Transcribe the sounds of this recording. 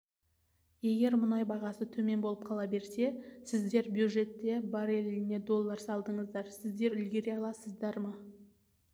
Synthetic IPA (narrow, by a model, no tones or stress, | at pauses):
je̞ɡʲe̞ɾmʊnɑjbɑʁɑsət̪ʰɵme̞nbo̞lˠəp̚qʰɑlˠɑbe̞ɾse̞sɪzd̪e̞ɾbjud̪ʒe̞t̪ːe̞bɑɾe̞lɪne̞d̪o̞lˠːɑɾsɑlˠd̪əɴəzd̪ɑɾsɪzd̪e̞ɾʏlɡʲe̞ɾeɑlˠɑsəzd̪ɑɾmɑ